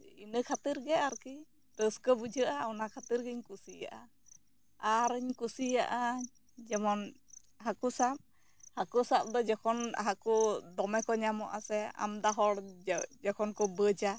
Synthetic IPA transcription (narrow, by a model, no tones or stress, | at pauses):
inəkʰat̪iɾɡɛaɾki | ɾəskəbud͡ʒəʔaɔnakʰat̪iɾɡɛɲkusija̰ʔa | aɾəɲkusijaʔa | d͡ʒɛmɔn | ɦakusap̚ | hakusap̚d̪ɔd͡ʒɛkʰɔnɦakud̪ɔmɛkɔɲamɔʔasɛa̰md̪aɦɔɽd͡ʒɛkʰɔnkɔbəd͡ʒa